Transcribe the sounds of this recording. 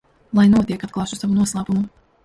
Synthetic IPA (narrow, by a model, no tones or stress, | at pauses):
lˠajnuɔt̪iɛkat̪̚klˠaːʃusavunuɔslˠaːpumu